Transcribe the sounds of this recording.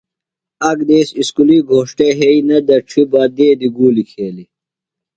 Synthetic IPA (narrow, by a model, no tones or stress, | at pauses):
ɐɡd̪eːsiskuliɡʱoːʂʈeɦeinɐd̪ɐʈ͡ʂʰibɐd̪eːd̪iɡuːlikʰeːli